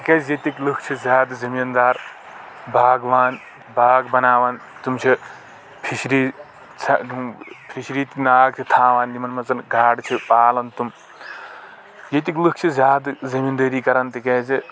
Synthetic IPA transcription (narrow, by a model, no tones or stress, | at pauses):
t̪ikezjet̪iklɨkʰt͡ʃʰizʲjaːd̪zɐmind̪aːɾ | bʱaːɡʋaːn | bʱaːɡbɐnaːʋaːn | t̪umt͡ʃʰi | pʰiʃɾiː | t͡sʰɐpʰiʃɾiːt̪inaːɡ̚t͡ʃʰit̪ʰaːʋaːnd̪imɐnmɐt͡sɐnɡʱaːɖt͡ʃʰipaːlɐnt̪um | jet̪iklɨkʰt͡ʃʰizʲjaːd̪zɐmind̪əːɾiːkɐɾɐnt̪ikeːzi